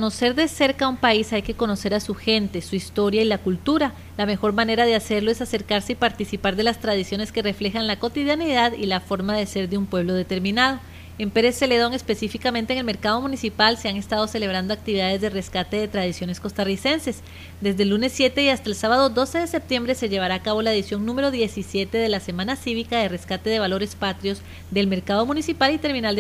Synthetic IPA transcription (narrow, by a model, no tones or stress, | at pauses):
ono̞se̞ɾðe̞se̞ɾkaumpaisajke̞ko̞no̞se̞ɾasuxe̞nt̪e̞suist̪o̞ɾjailakult̪uɾa | lame̞xo̞ɾmane̞ɾaðe̞ase̞ɾlo̞esase̞ɾkaɾse̞ipaɾt̪isipaɾðe̞last̪ɾað̞isjo̞ne̞ske̞re̞fle̞xanlako̞t̪iðjaniðaðilafo̞ɾmaðe̞se̞ɾd̪eumpwe̞β̞lo̞ð̞e̞t̪e̞ɾmĩnað̞o̞ | empe̞ɾe̞sːe̞leðoŋe̞spe̞sifikament̪eŋelme̞ɾkað̞o̞mũnisipalse̞aŋe̞st̪að̞o̞se̞le̞β̞ɾand̪o̞ak̚t̪iβiðaðe̞zðe̞re̞skat̪e̞ðe̞t̪ɾað̞isjone̞sko̞st̪arise̞nse̞s | d̪e̞zd̪e̞lːunesːje̞t̪e̞iast̪aelsaβaðo̞d̪o̞se̞ðe̞se̞p̚t̪je̞mbɾe̞se̞ʝe̞βaɾaːkaβ̞o̞laeðisjo̞ŋnũme̞ɾo̞ðje̞sisje̞t̪e̞ðe̞lase̞manasiβikaðe̞reskat̪e̞ðe̞β̞alo̞ɾe̞spat̪ɾjo̞z | d̪e̞lme̞ɾkað̞o̞mũnisipalit̪e̞ɾmĩnal